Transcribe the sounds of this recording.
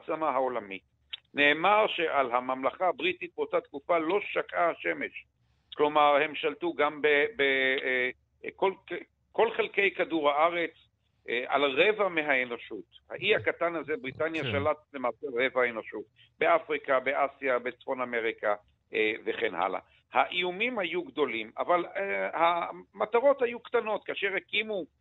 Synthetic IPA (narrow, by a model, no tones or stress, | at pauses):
t͡samaɦao̞lamit | ne̞ːmaʁʃe̞ʔalɦamamlaχaabʁit̪it̪̚beotat̪kufalo̞ʃakaaʃe̞me̞ʃ | klo̞maʁhe̞mʃaltuɡambebe | kol | ko̞lχe̞lke̞jkaduʁhaaʁe̞t͡s | ʔʔa̰lʁe̞vameɦaeno̞ʃutha̰ʔiakatanazebʁit̪anjaʃalat̪bemaːseʁe̞vaeno̞ʃut̚ | beafʁikabeʔasijabet͡sfo̞name̞ʁika | eveχenha̰la̰ | haʔiumimhajuɡdo̞lima̰valhamataʁo̞thajukt̪ano̞t̚kaːʃe̞ʁekimu